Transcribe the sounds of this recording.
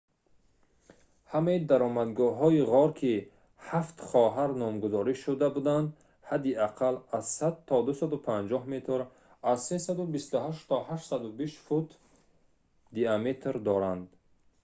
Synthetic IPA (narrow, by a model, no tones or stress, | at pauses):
hamaid̪aɾɔmad̪ɡɔɦɔiʁɔɾkʰi | haft̪χɔɦaɾnɔmɡuzɔɾiʃud̪abud̪and̪ | had̪iaqʰalazsad̪̚t̪ʰːɔd̪usad̪upʰand͡ʒɔhmet̪ʰɾ | azsesad̪ubist̪uɦaʃt̪ʰɔhaʃsad̪ubiʃfut̪ʰ | d̪iamet̪ʰɾd̪ɔɾand̪